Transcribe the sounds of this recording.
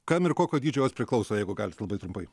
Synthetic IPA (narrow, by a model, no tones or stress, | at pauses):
kɐmɪɾkoːkʲoːd̪ʲiːd͡ʒʲoːjoːsʲpʲɾʲɪklˠɐʊsoːjɛɪɡʊɡɑːlʲslˠɐbɐɪt̪ɾʊmpɐɪ